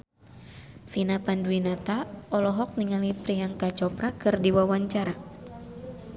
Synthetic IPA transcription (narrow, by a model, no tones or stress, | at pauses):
finapanduinat̪aɔlɔɦɔk̚niŋalipɾiaŋkat͡ʃɔpɾakɨrdiwawaɲt͡ʃaɾa